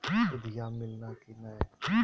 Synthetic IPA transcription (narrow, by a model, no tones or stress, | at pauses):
ʊd̪ijamɪlnakina